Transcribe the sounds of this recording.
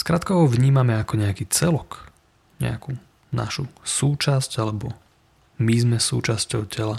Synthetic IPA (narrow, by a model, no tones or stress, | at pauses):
skɾaːt̪kɔɔʋɲiːmamɛakɔɲɛakiːt͡sɛlɔk | ɲɛ̰aku | na̰ʃusuːt͡ʃascalɛbɔ | mizmɛsṵːt͡ʃascɔʊcʰɛla